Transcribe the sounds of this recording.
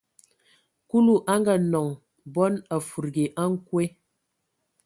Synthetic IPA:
ku˦lu˦˨ʔa˦ŋɡa˨nɔ˨ŋ | bɔ˦na˨fu˨ɾɡe˨ʔa˦ŋ̩˦kwe˦

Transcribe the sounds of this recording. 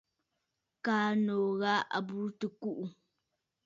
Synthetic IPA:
kaː˨˦noː˨ɣa˦a̰˨bu˦tə˨ku˦ʔu˨

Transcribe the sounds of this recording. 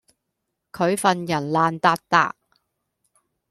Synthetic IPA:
kʰɵ˨˧ɥfɐ˨njɐ˨˩nlaː˨nt̪aː˧t̚t̪a̰ː˧ʔ̚

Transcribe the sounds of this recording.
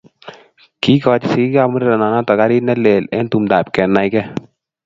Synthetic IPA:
ki˦kɔ˧t͡ʃsi˦i˦ka˦mu˦ɾɾɛ˨na˨na˦tɔ˨ka˦ɾi˦nɛ˦le˨lɛ˦ntu˨mda˨p̚kɛ˨na˨jkɛ˦

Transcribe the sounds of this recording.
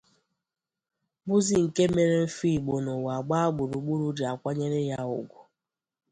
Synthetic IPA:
bʊ˦zi˨ŋ̩˨ke˦me˦ɾe˦m̩˦fi˦˨ɡ͡bo˨no˨wa˨ɡ͡ba˦a˦ɡ͡bʊ˨ɾu˨ɡ͡bu˦ɾu˦di˨a˨kʷa˦ɲe˦ɾe˦ja˦ʊ̰˨ɡʷʊ˨

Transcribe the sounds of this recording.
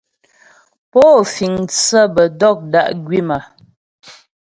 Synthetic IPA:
pɔː˦˨fi˨ŋt͡sə˦bə˨dɔ˦˨k̚da˦˨ʔɡɥi˦ma˨

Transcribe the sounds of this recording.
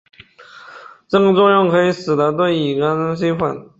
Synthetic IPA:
ʈ͡ʂɤ˥˩ɡə˩t͡swɔ˥˧jʊ˥˩ŋkʰɤ˧˥i˧˩sɹ̩˨˩d̪ə˧˥t̪̬wə˥˩i˨˩ɡə˧˥n˥ɕi˥fwa̰˨˩n

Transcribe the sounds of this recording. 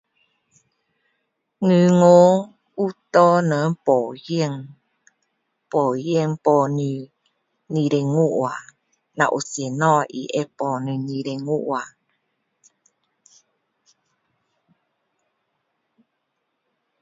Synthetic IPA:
ŋɨ˨ŋo˦ | u˦t̪ɔ˦nə˨˦pɔ˨jə˦˨ŋ | pɔ˨jə˦ŋpɔ˨ni˧˨ | ni˨ɾe˨ŋu˦ʔwa˨ | na̰˨ʔo˨se˨nɔ˦ʔḭ˨ʔe˦pɔ˨nĩ˨ni˨ɾe˨ŋu˦ʔwa˨

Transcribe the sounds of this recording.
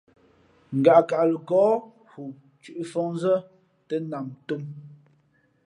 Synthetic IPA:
ŋ̩˨ɡa˨ka˨lə˨ɡɔː˨˦ | hu˨ | t͡ʃʉ˦ʔfɔ˦ŋnzə˦ | tə˦na˨mto˦m

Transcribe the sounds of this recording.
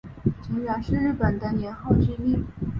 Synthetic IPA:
ʈ͡ʂi˧˥ŋɥa˧˥nʂɻ̩˥˧ɻɻ̩˥˩pə˨˩nd̪ə˦njɛ˧˥nxo˥˩ʊt͡ɕi˥li˥˩

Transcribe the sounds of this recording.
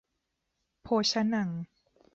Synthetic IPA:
pʰoː˧t͡ɕʰa˧˥na˨˩ŋ

